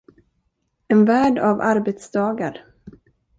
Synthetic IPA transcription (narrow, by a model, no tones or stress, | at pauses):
ɛnvæːɖava̰ɾbɛt̪sd̪ɑːɡaɾ